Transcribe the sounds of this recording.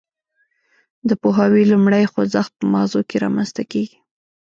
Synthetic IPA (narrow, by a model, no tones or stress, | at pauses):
d̪əpoɦɑwilumɽəjxozaxt̪̚pəmɑɣzokeɾɑ̰manst̪akeɡi̥